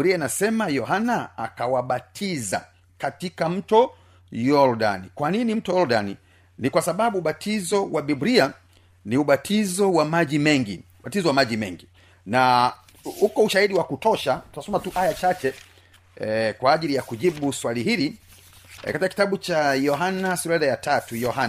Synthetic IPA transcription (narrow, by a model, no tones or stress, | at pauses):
ɾiainasɛmajɔhanaa̰kawaɓatʰiza̰ | katikam̩tɔ | jɔɾɗa̰nikwaninim̩tɔjɔɾdanḭ | nikwasaɓaɓuːɓatʰizɔwaɓibɾia | niuɓatʰizɔwamaʄimɛŋɡḭuɓatizɔwamaʄimɛ̰ŋɡi | na | hukɔuʃahiɗiwakutɔʃatunasɔmatuʔajat͡ʃat͡ʃɛ | kwaːʄilijakuʄiɓuswaliɦili | katikakitaɓut͡ʃajɔɦanasuɾɛðajatatujɔhana